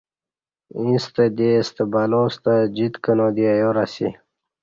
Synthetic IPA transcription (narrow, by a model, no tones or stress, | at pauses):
ĩst̪əd̪est̪əbaloːst̪əd͡ʑit̪kənoːd̪iajoɾasi